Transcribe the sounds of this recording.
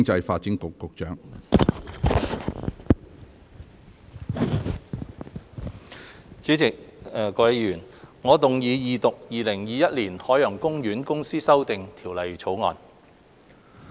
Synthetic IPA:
ŋt͡sɐ˧jfaː˧t̚t͡sɪ˥ŋkʊ˨kːʊ˨k̚t͡ʃœː˨˥ŋ | t͡ʃyː˨˥t͡sɪ˨k̚ːkɔː˧je˨˧jyː˨˩nŋɔː˨˧t̪ʊ˨ŋjiː˨˧jiː˨˧t̪ʊ˨k̚jiː˨lɪ˨˩ŋjiː˨jɐ˥t̚liː˨˩nhɔː˨˥jœː˨˩ŋkʊ˥ŋjyː˨˥nkʊ˥ŋsiː˥sɐ˥wt̪ɪ˨ŋt̪ʰiː˨˩wlɐ˨jt͡sʰo˨˥wŋɔ̰ː˨˧n

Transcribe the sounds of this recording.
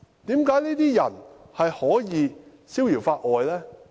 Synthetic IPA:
t̪iː˨˥mkaː˨˥jniː˥t̪iː˥jɐ˨˩n | hɐ˨jhɔː˨˥jiː˨˧ | siː˥wjiː˨˩wfaː˧t̚ʔɔː˨jlɛː˥

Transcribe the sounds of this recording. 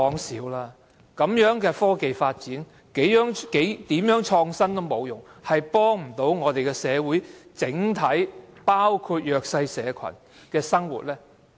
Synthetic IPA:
ɔː˨˥ŋsiː˨˥wlaː˧ | kɐ˨˥mjœː˨˥ŋkɛː˧fɔː˥ke˨jfaː˧t̚t͡siː˨˥n | ke˨˥jjœː˨˥ŋke˨˥jt̪iː˨˥mjœː˨˥ŋt͡ʃʰɔː˧ŋsɐ˥nt̪o˥wmo˨˧wjʊ˨ŋhɐ˨jpɔː˥ŋm̩˨˩t̪o˨˥wŋɔː˨˧t̪e˨jkɛː˧sɛː˨˧wuː˨˥jt͡sɪ˨˥ŋt̪ʰɐ˨˥jpaː˥wkʰuː˧t̚jœː˨k̚sɐ˧jsɛː˨˧kʰɐ̰˨˩n | kɛː˧sɐ˥ŋwṵ˨˩t̚lɛː˥

